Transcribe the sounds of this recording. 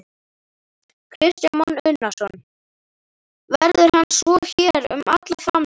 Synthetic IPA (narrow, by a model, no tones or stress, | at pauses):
kʰɾɪst̪janmɔnʏnːasɔn | vɛɾðʏɾ̥ɦanːsvɔçɛːɾʏ̰ma̰t̪laθam